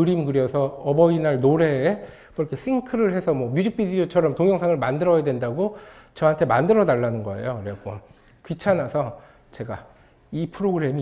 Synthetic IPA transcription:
ɯɾimɡɯɾjʌsʰʌʌbʌinaɭnoɾe̞ː | kɯkʰes͈iŋkʰɯɾɯɭhe̞sʰʌmwʌmjud͡ʑik̚p͈ʰidiot͡ɕʰʌɾʌmtoŋjʌŋsʰaŋɯɭmandɯɾʌjadwe̞ndaɡot͡ɕʌɦantʰe̞mandɯɾʌnaɭːanɯnɡʌe̞̰joɾekʌ | kɥit͡ɕʰanasʰʌ | t͡ɕe̞ɡa | ipʰɯɾoɡɯɾe̞mi

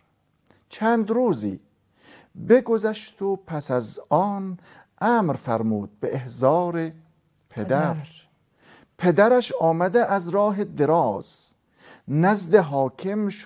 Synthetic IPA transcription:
t͡ʃʰænd̪ɾuːzḭː | beɡozæʃt̪ʰopʰæsæzɒːn | ʔæːmɾfæɾmuːd̪̚beʔehzɑːɾe | pʰed̪æɾ | pʰed̪æɾæʃɒːmæd̪eʔæzɾɒːɦed̪eɾɒːz̥ | næzd̪eɦɒːkʰemʃ

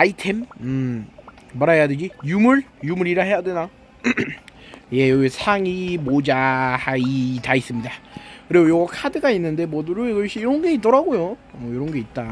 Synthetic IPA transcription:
aitʰe̞mɯmː | aɾaɦe̞jadwed͡ʑijumuɭjumuɾiɾaɦe̞jadwena | je̞joɡisʰaŋimod͡ʑahaitais͈ɯmɲidakɯɾeɡojʌɡʌkʰadɯɡainːɯnde̞mʌduɾoiɡʌɕʰiːɾʌnɡe̞it͈ʌɾaɡojoʌiɾʌnɡe̞it̚t͈a

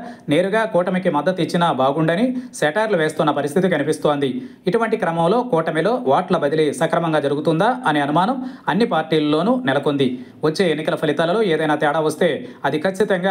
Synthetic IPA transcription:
ne̞ːɾuɡaːkɔːʈɐmikimɐd̪ːɐt̪it͡ʃːinɐbaːɡuɳɖɐniseːʈaːɾluʋe̞ːst̪unːɐpɐɾist̪ʰit̪ikɐnipist̪o̞ːnd̪i | iʈuʋɐɳʈikɾɐmɐmlo̞ːkɔːʈɐmilo̞ːʋaːʈlɐbɐd̪ilisɐkɾɐmɐŋɡaːd͡ʒɐɾuɡut̪und̪aːʔɐneːɐnumaːnɐmɐnːipaːɾʈiːlɐlːo̞ːnunɛlɐkond̪i | ʋɐt͡ʃːe̞ːenːikɐlɐpʰɐlit̪aːlɐlo̞ːeːd̪ɐjnaːt̪ɛːɽaːʋɐst̪e̞ːɐd̪ikɐt͡ʃːit̪ɐŋɡaː

